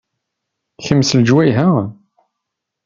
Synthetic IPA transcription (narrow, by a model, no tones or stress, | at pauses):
çəmːsləd͡ʒwæjɦæ